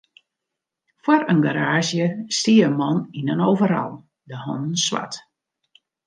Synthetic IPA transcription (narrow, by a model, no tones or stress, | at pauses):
fwɔrənɡaɾaːzjəstiəəmɔninənowvəɾɔ̰lˠ | dəhɔ̰nn̩swa̰t